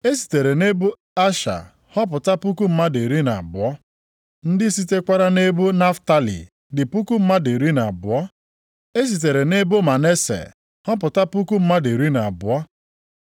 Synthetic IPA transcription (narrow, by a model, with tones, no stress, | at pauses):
e˦s̬i̥˨te˨ɾe˨ne˦bu˦ | a˦ʃa̰˨ | hɔ˦p̬ʊ˨ta˦pu˦ku˦m̩˦ma˦de˨ɾi˦na˨a˨bʊ˨ɔ˦ | n̩˦dɪ˦si˦te˦kʷa˦ɾa˦ne˦bu˦na˦fta˦lḭ˨ | dɪ˨pu˦ku˦m̩˦ma˦de˨ɾi˦na˨a˨bʊ˨ɔ˦ | e˦s̬i˨t̬e˨ɾe˨ne˦bʊ˦ma˨ne˦sḛ˨ | hɔ˦p̬ʊ˨ta˦pu˦ku˦m̩˦ma˦de˨ɾi˦na˨a˨bʊ˨ɔ˦